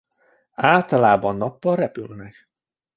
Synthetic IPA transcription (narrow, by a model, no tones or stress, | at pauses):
aːlt̪ɒlaːbɒnːɒpːɒlrɛpylnɛk